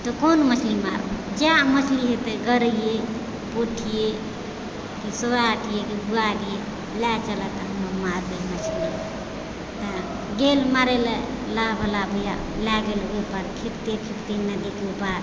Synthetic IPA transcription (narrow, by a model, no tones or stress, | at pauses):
t̪ɔkonməsʰlima̰ɾo̰d͡ʒamət͡ʃʰliɦet̪eɡəɾəije | poʈʰije | kisoaʈʰijekibuadije | lat͡ʃələt̪ɔɦəməɾmaɾbemət͡ʃʰli | t̪a | ɡelmaɾele | laɦbʱəlabəja̰ | laɡelɡepaɾpʰipt̪ekʰipt̪enəd̪ikepaɾ